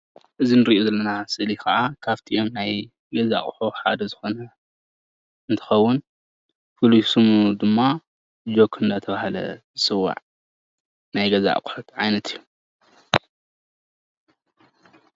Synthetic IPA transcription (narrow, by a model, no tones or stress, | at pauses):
ʔɨzinɨɾiʔozɐlːɐnasɨʔlikɐʔakʰaβt̪ʰiʔomnaj | ɡɐza̰ʔkʼħuħa̰d̪ɐzɨxo̞nɐ | ɨnt̪ʰɐ̥xɐwːʊn | fɨlusɨmud̪ɨmːa | d͡ʒo̞kʰːɨnd̪ɐt̪ʰɐβahlɐ̰zɨsɨwːa̰ʕ | najɡɐza̰ʔkʼħut̪ʕajnɐt̪ʰijːu